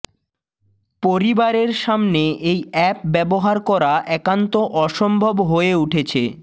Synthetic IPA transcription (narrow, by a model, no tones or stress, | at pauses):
poɾibaɾeɾʃamneʔejɛp̚bɛboɦaɾkɔɾaʔɛkant̪oʔɔʃombʱobɦoeuʈʰet͡ɕʰḛ